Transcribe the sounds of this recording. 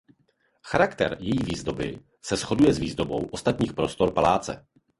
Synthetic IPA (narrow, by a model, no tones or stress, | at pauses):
xaɾakt̪ɛ̰ɾjɛjiːviːzdo̞bɪ | sɛsxo̞dujɛzviːzdobo̞wʔo̞st̪at̪ɲiːxpɾo̞st̪o̞ɾpalaːt͡sɛ̰